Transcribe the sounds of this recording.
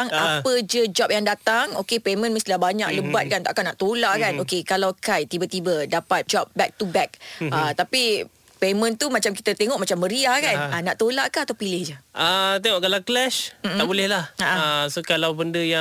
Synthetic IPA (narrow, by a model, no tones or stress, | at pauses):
ŋapəd͡ʒəd͡ʒɔp̚jaŋdat̪aŋokepemə̃nmist̪ilahbaɲa̰kləbat̪̚kant̪aʔakanaʔt̪olaʔkanokekalawkajt̪ibət̪ibədapat̪̚d͡ʒɔp̚bɛk̚t̪ubɛk̚at̪api | pemə̃nt̪umat͡ʃamk̬i̥t̪ət̪eŋɔʔ̚mat͡ʃamːəɾiahkananaʔt̪olaʔkəhat̪awpilɪhd͡ʒəʔət̪eŋɔʔkalaklɛʃm̩aʔbolɛhlahaʔasokalawbəndəja